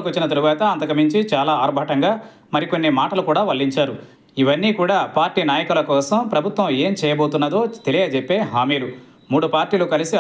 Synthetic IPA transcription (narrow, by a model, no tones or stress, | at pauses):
kʋɐt͡ʃːinɐt̪ɐɾuʋaːt̪ɐɐnt̪ɐkɐmiɲt͡ʃit͡ʃaːlaːaːɾbʱaːʈɐŋɡaː | mɐɾiko̞nːimaːʈɐlukuːɽaːʋɐɭːiɲt͡ʃaːɾu | iʋɐnːiːkuːɽaːpaːɾʈiːnaːjɐkulɐkɔːsɐmpɾɐbʱut̪ʋɐ̃me̞ːmt͡ʃɛːjɐboːt̪unːɐd̪o̞ːt̪e̞liɡɐt͡ʃepːe̞ːɦaːmiːlu | muːɽupaːɾʈiːlukɐlisi